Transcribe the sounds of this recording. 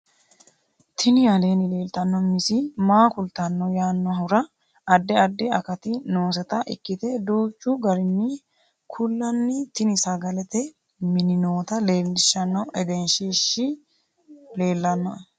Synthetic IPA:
t̪ʰɪnɪjɐle̞ːnɪle̞ːlt̪ɐnːɔmɪsɪmaːkʊlt̪ɐnːɔjaːnːɔhʊɾɐ | ɐd̪ːɛɐd̪ːɛɐkɐt̪ɪno̞ːs̬ɛt̪ɐʔɪ̰kːɪt̪ɛd̪uːt͡ʃːʊɡɐɾɪnːɪ | kʰʊlːɐnːɪt̪ɪnɪsɐɡɐlɛt̪ɛ | mɪnɪnoːt̪ɐle̞ːlːɪʃːɐnːɐwʔɛɡ̪ɛnʃiːʃːɪ | le̞ːlːɐnːɐ

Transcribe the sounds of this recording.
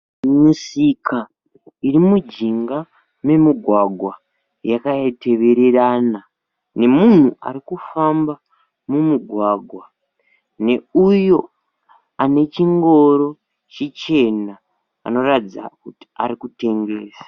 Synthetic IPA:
musika | irimud͡ʒiŋɡa | me̞miɡʱwaɡʱwa | jakajete̞ʋe̞ɾeraːna | ne̞mun̤uʔa̰ɾikufamba | mumuɡʱwaːɡʱwa | ne̞ujo̞ | ane̞t͡ʃiŋɡo̞ɾo̞ | t͡ʃet͡ʃe̞na̰ː | no̞rad͡za̰kuti̥a̰ɾikute̞ŋɡe̞ːsḁ

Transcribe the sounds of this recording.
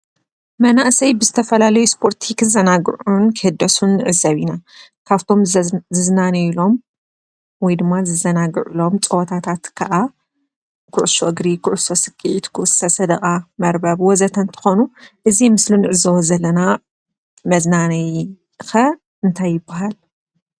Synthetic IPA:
mɐnaʔsɐjbɨzɨt̪ʰɐfɐlalɐjuspʰo̞ɾt̪ʰikʰɨzɐnaɡʕunkʰɨhɨd̪ːɐsunːɨʔɨzɐβinakʰaβt̪ʰo̞mzɨznanɐilo̞m | wɔjd̪ɨmːazɨzɐnaɡɨ̰ʕulo̞mt͡sʼɨwt̪ʰat̪ʰat̪kʰaʔa | kʰʊʕsoɨɡɾikʰʊʕuso̞sɨɡʼiʕit̪kʰuʔsɐsɐd̪ɐkʼamɐɾbɐβwɔzɐt̪ʰɐnt̪ʰɨ̥xonuʔɨzimɨslunɨʔɨzɐwɐzɐlːɐna | mɐznanɐj | xɐ | ɨnt̪ʰajːɪbːaɦal

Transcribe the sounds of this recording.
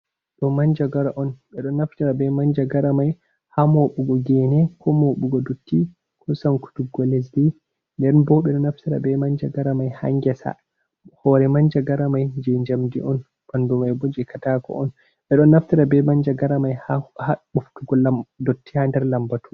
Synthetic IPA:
ɗɔmaɲd͡ʒaɡaɾaʔɔnɓɛɗɔnːaftiɾabɛmaɲd͡ʒaɡaɾamaj | hamoɓuɡɔɡɛnɛkʰɔmoɓuɡɔdotːi | kʰɔsanku̥tuɡɔlɛsdi | ndɛnbɔɓɛɗɔnaftiɾa̰bɛmaɲd͡ʒaɡaɾamajha̰ŋɡɛsa̰ | hɔɾɛmaɲd͡ʒaɡaɾamajd͡ʒɛɲd͡ʒamdiʔɔn | bandumajbɔd͡ʒɛkʰatakɔ̰ʔɔn | ɓɛɗɔnːaftiɾabɛmand͡ʒaɡaɾamajhahaɓuftuɡɔladotːihandɛɾlambatu

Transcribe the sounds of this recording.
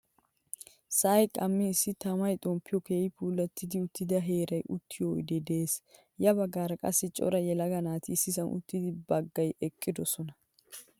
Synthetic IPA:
sɐːjkʼɐmːɪːsːɪt̪ɐmɐjt̪ʼɔmpːɪjɔkeːɪpʰuːlːɐt̪ːɪd̪ɪʊt̪ːɪd̪ɐɦe̞ːɾɐjʔʊt̪ːɪjɔj̰d̪ɛd̪e̞ːs | jɐbɐɡːaːɾɐkʼɐ̰sːɪt͡ʃʼɔ̰ɾɐjɛlɐɡɐnaːt̪ɪːsːɪsɐnʔʊ̰t̪ːɪd̪ɪbɐɡːɐjʔɛkʼːɪd̪ɔsɔnɐ

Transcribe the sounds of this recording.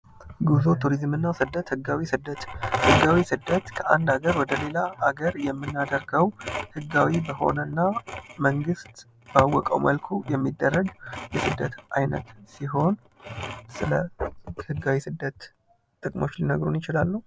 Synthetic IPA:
ɡuzo̞t̪ʰuɾizmɨnːasɨd̪ːət̪hɨɡːawisɨd̪ət̪hɨɡawisɨd̪ːət̪kʰəʔa̰nd̪aɡəɾwɔd̪əle̞laʔːɡəɾjɛmːɨnːad̪əɾɡəwhɨɡːawibəho̞̰nənːaməŋɡɨst̪ | b̥awːɔkʼə̰wmʔəlkʰujɛmːid̪ːərːəɡjɛsɨd̪ːət̪ʔa̰jnə̰t̪siɦo̞n | sɨləhɨɡːawisɨd̪ːət̪ | t̪ːʼɨkʼmo̞t͡ʃːlinəɡɾunjɪt͡ʃɪlalːəhu

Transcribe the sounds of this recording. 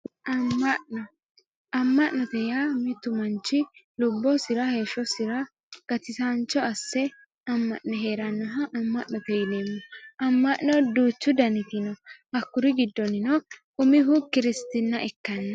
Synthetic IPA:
ʔɐmːɐʔnɔ | ɐmːɐʔnɔt̪ɛjaːmɪt̪ːʊmɐnt͡ʃːɪlʊbːɔsɪɾɐhe̞ːʃːɔsɪɾɐ | ɡ̥ɐt̪ɪsant͡ʃːɔɐsːɛ | ɐmːɐ̰ʔnɛɦe̞ːɾɐnːɔɦɐʔɐmːɐʔnɔt̪ɛjɪneːmːɔʔɐmːɐʔnɔd̪uːt͡ʃːʊd̪ɐnɪt̪ɪnɔʔɐkːʊɾɪɡɪd̪ːɔnɪnɔʔʼʊmɪɦʊkɪɾɪst̪ɪnːɐʔɛkːɐnːɐ

